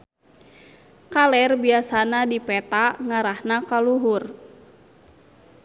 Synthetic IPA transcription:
kalɛrbiasanadipɛt̪aŋaɾahnakaluɦur

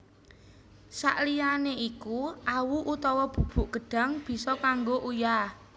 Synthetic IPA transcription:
sa̰ʔlijaneʔikuʔawuʔut̪ɔwɔb̥ṳb̥ṳʔɡ̥ə̤ɖ̥a̤ŋb̥i̤sɔkaŋɡoʔuja

